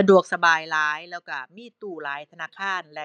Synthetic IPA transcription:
a˧du˨˩ək̚sa˧baː˧jlaː˦˥jlɛː˧˩wkaː˧˩miː˥˩t̪uː˨˩laː˨˦˥jt̪ʰa˧naː˧˥˩kʰaː˧˥˩nlɛ˧˩

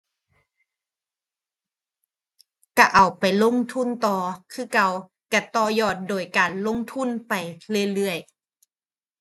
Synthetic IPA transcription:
ka˧˩ʔa˨˩wpa˨jlo˧˥˨ŋt̪ʰu˧˥˨nt̪ɔː˧kʰɯː˧˥˨ka˧˩w | ka˧˩t̪ɔː˧jɔː˧˩t̪̚doː˨˩jkaː˨nlo˧˥˨ŋt̪ʰu˧˥˨npa˨˩jlɯ˧˥˩ə˨jlɯ˧˩əj

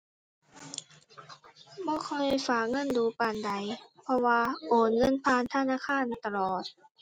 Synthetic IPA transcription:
bɔː˧˩˨kʰɔ˧˨jfaː˨˩k̚ŋɤ˧˥˨nduː˧˩paː˨nda˨˩jpʰɔ˧waː˧ʔoː˨˩nŋɤ˧˥˨npʰaː˧˨nt̪ʰa˧˨naː˧˥˨kʰaː˧˥˨nt̪a˧lɔː˨˩t̪̚

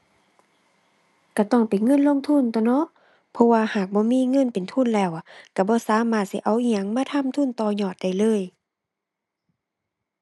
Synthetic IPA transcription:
ka˧˩t̪ɔ˧˩ŋpa˨jŋɤ˧˥˨nlo˧˥˨ŋt̪ʰu˧˥˨nt̪ɔ˧˨nɔ˧˥ʔ | pʰɔ˧waː˧haː˨˩k̚bɔː˧˦miː˧˥˨ŋɤ˧˥˨npe˨nt̪ʰu˧˥˨nlɛː˧˩˨wka˧˩bɔː˧˦˨saː˨˦maː˧˩t̪̚si˧˦ʔa˨˩wʔi˧˨ɲa˧˥˨ŋmaː˧˥˨t̪ʰa˧˥˨mt̪ʰu˧˥˨nt̪ɔː˧ɲɔː˧˩t̪̚da˧˩jlɤː˧˥˨j

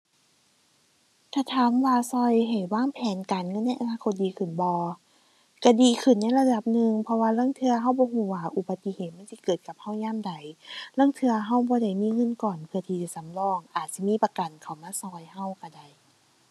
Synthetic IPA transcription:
t̪ʰaː˧˩t̪ʰaː˨˦mwaː˧sɔ˧jɦa˨˩jwaː˧˥˨ŋpʰɛː˨˦nka˨nŋɤ˧˥˨nːa˧˩jʔa˨naː˧kʰo˧˦t̪̚diː˨˦kʰɯ˨˩nbɔː˧˦ | ka˧˩diː˨kʰɯ˧˩nːa˧˥˨jla˧da˧˩p̚nɯ˧ŋpʰɔ˧waː˧laː˧˥˨ŋt̪ʰɯ˧ɐɦa˧˥˩wbɔː˧˦ɦuː˧˩waː˧˩ʔu˧˩ba˧t̪ːi˧˨heː˨˩t̪̚ma˧˥˨nsi˧˦kɤː˨˩t̪̚ka˨˧˦p̚ha˧˥˩wɲaː˧˥˨mda˨˩jlaː˧˥˨ŋt̪ʰɯ˧ɐɦa˧˩wbɔː˧˦da˧˩jmiː˧˥˨ŋɤ˧˥˨nkɔː˨˩npʰɯ˧ɐt̪ʰiː˧t͡ɕa˧˩˨sa˨˦mlɔː˧˩ŋʔaː˨˩t̪̚si˧˦˨miː˧˥˨pa˧ka˨˩nkʰa˧˨˩wmaː˧˥˨sɔː˧˩jha˧˩wka˧˩da˧˩j

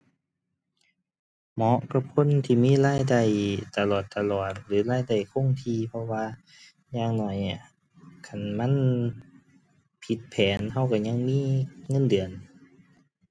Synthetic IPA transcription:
mɔ˨˦ʔka˧pʰo˧˥˨nt̪ʰiː˧˩˨miː˧˥˨laː˧˥˨jda˧˩jt̪a˧˩lɔː˨˩t̪ːa˧lɔː˨˩t̪̚lɯː˨˦laː˧˥˩jda˧˩jkʰo˧˥˨ŋt̪ʰiː˧pʰɔ˧waː˧ | ɲaː˧˩ŋnɔː˨˩jni˧˩˨ | kʰa˧˩˨nma˧˥˨n | pʰi˧˦t̪̚pʰɛː˨˦nɦa˧˩wka˧˩ɲa˧˥˨ŋmiː˧˥˨ŋɤ˧˥˨ndɯ˨˩ən

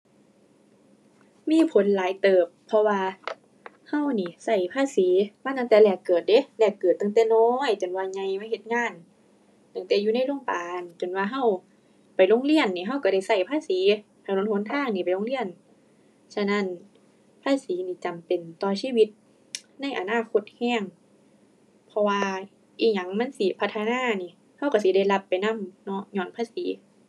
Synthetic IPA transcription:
miː˧˥˨pʰo˨˦nlaː˨˦jt̪ɤː˨˩pʰːɔ˧waː˧ | ha˧˥˩wniː˧˩˨sa˧˩jpʰaː˧˨siː˨˦maː˧˥˩a˧˨t̪ɛː˧˦lɛː˧˩kːɤː˨˩t̪̚de˧˦lɛː˧˩kːɤː˨˩t̪ːa˧˨ŋt̪ɛː˧nɔː˧˦˨jt͡ɕo˨˩nwaː˧ɲa˧jmaː˧˥˨he˧t̪̚ŋaː˧˥˨n | t̪a˧˩ŋt̪ɛː˨˩juː˧˦na˧˥˨jlo˧˩əŋpaː˨nt͡ɕo˨˩nwaː˧ɦa˧˥˩w | pa˨jlo˧˥˨ŋli˧˥˨ənːiː˧˨ɦa˧˩˨wka˧˩ɾa˧˩jsa˧˩jpʰaː˧˥˨siː˨˦ | ha˧˩˨no˧˦nho˨˦nk̪ʰaː˧˥˩ŋniː˧˩pa˨jlo˧˨ŋli˧˥˨ən | sa˧na˧˥˨n | pʰaː˧˥˨siː˨˦niː˧˩t͡ɕa˨˩mpe˨˩nt̪ɔː˧siː˧˥˨wi˧t̪̚ | na˧˥˨jʔa˨naː˧˥˩kʰo˧˦t̪̚hɛː˧˥˩ŋ | pʰɔ˧waː˧ | ʔiː˧˩ɲa˧˩˨ŋma˧˥˨nsi˧˩pʰa˧t̪ʰːa˧naː˧˥˨niː˧˨ | ha˧˩˨wka˧˩si˨˦da˧˩jla˧pːa˨˩jna˧˥˨mnɔ˧˥ɲɔː˧˩˨npʰaː˧˥˨siː˨˦

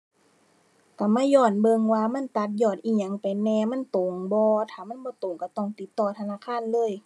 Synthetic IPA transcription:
ka˧˩maː˧˥˨jɔː˧˩n̚bɤ˧ŋwaː˧ma˧˥˨nt̪a˧˦t̪̚jɔː˧˩t̪ʔiː˧˩ɲa˨˦˨ŋpa˨jnɛː˧ma˧˥˨nt̪o˨˦ŋbɔː˧t̪ʰaː˧˩ma˧˥˨nbɔː˧˦t̪o˨ŋka˧˩t̪ɔ˧˩˨ŋt̪i˧˦t̪ːɔː˧˩t̪ʰa˧naː˧˥˨kʰaː˧˥˨nlɤː˧˥˨j

